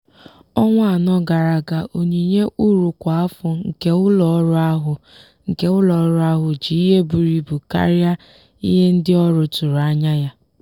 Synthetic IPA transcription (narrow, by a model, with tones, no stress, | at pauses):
ɔ˦ŋʷa˦a˨nɔ˦ɡa˨ɾa˨ɡa˨ʔo˨ɲi˨ɲe˦ʔu˦ɾu˨kʷa˨a˦fʊ˨ŋ̩˨ke˦ʊ˦lɔ˨˦ɾʊ˦a˦ɦʊ˨ | ŋ̩˨ke˦ʊ˦lɔ˨˦ɾʊ˦a˦ɦʊ˨d͡ʒi˨i˦ɦe˦bu˨ɾi˨bu˨ka̰˦ɾja˦ | ḭ˦ɦe˦n̩˦dɪ˦ɔ˦ɾʊ˨tʊ˨ɾa˦ɲa˦ja˦